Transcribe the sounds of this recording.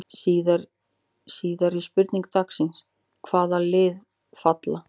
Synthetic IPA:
siːðaɾ | siːðaɾispʏɾt̪niŋkt̪aksɪns | kʰvaːðalɪːð | fat̪la

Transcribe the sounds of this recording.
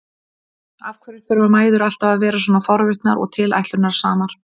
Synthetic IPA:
avkʰvɛɾɪɾθœɾvamaːjðʏɾal̥t̪avaðvɛːɾas̬wɔːnafɔɾvʏht̪naɾʔɔ̰ɣt̪ʰɪla̰jht̪lʏɾnaɾ̥saːmaɾ̥

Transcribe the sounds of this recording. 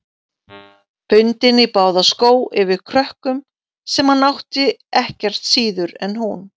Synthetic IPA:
pʰʏnt̪ɪnɪpaːwðaskoːwɪvɪðkʰɾœhkʏm | sɛmhanːawht̪ɪɛhcɛr̥t̪siːðʏɾɛnhun

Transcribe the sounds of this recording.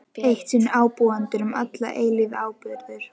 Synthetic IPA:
ejht̪sɪnaːwpɔːant̪ɪɾʏmat̪la̰ʔeːjlɪðaːwpʏɾðʏɾ̥

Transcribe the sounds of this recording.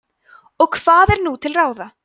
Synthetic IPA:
ɔɣkʰv̥aːðɛɾnut̪ʰɪlraːwða

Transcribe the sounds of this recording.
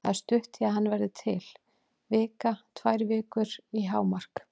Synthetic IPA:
aðst̪ʏht̪ɪaðɦanːvɛɾðɪt̪ʰɪl | vɪːkat̪ʰvajɾvɪːkʏɾiɦaːwmar̥k

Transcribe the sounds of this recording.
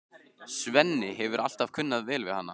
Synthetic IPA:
svɛnːɪɦɛvʏɾʔal̥t̪av̥kʰʏnːaðvɛːlvɪðhanːa

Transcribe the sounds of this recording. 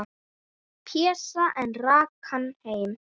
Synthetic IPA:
pʰɛsaʔɛnraːkʰanhejm

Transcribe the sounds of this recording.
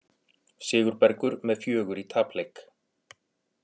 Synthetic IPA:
sɪːɣʏɾpɛɾkʏɾmɛðfjœːɣʏɾit̪ʰaːplejk

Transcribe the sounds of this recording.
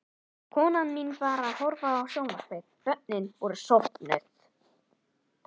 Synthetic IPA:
kʰɔːnanminvaːɾaðhɔwɾvaðawsjɔwmast̪ejk | œp̚nɪnvɔɾʏsɔht̪nœ̰ɥθ

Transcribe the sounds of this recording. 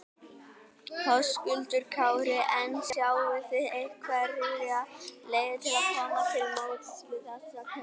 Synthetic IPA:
hʰɔskʏnt̪ʏɾkʰaːwɾɪʔɛnsjawvɪθɪðejhkʰvarɪlɪaleːjðɪt̪ʰɪlaðkʰɔːmat̪ʰɪlmoːwt̪svɪðasak

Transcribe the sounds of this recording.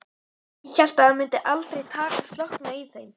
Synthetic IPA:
ɛçɛl̥t̪aamʏnt̪ɪʔalt̪ɾejt̪ʰaːkḁst̪lɔhknaiθejm

